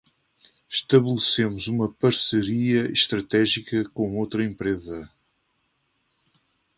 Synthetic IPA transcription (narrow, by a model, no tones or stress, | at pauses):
ʃt̪ɐβɨlˠsemuzumɐpɐɾsɨɾiɐiʃt̪ɾɐt̪ɛʒikɐkõowt̪ɾɐẽmpɾezɐ